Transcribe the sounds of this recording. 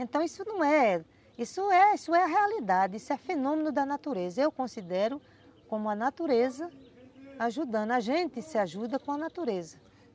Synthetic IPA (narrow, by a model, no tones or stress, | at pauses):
ẽnt̪ɐ̃w̃isʊnɐ̃w̃ɛ | isʊɛisʊɛɐɦealid̪ad̪ɪisʊɛfenõmẽnʊd̪ɐnat̪uɾezɐewkõsid̪ɛɾʊ | kõmʊɐnat̪uɾezɐ | aʒud̪ɐ̃naʒẽnt̪ɪsɪaʒud̪ɐkõɐnat̪uɾezɐ